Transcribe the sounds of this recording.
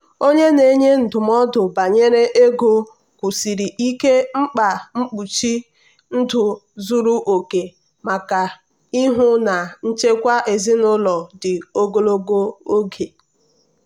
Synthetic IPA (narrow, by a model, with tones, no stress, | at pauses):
o˦ɲe˦ne˨ɲe˦n̩˨dʊ˨m˦ɔ˦dʊ˨ba˨ɲe˦ɾe˦ʔe˦ɡo˦ | kʷu˨si˨ɾi˨ʔi˦ke˦ŋ͡m̩˦k͡pa˨ŋ͡m̩˦k͡pu˨t͡ʃi˦ | n̩˦dʊ˨zu˦ɾu˦ʔo˨ke˨ | ma˨ka˨ | i˦ɦʊ˦na˨n̩˦t͡ʃe˦kʷa˦ʔe˨zi˦nʊ˦lɔ˨dɪ˨o˦ɡo˦lo˦ɡo˦o˦ɡe˨